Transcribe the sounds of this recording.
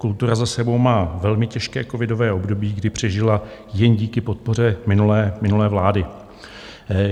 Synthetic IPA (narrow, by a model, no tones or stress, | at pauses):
kult̪uɾazasɛbo̞wmaːvɛlmɪcɛʃkɛːko̞vɪdo̞vɛːʔo̞bdo̞biːɡdɪpr̝̥ɛʒɪlajɛnɟiːkɪpo̞t̪̚po̞r̝ɛmɪnulɛːmɪnulɛːvlaːdɪ